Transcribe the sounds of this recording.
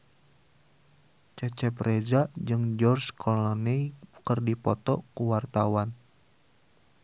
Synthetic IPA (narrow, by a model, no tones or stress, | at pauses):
t͡ʃət͡ʃɛprezaʔd͡ʒɨŋd͡ʒɔrskʰɔlɔnikərdipɔt̪ɔ̰kuwart̪awan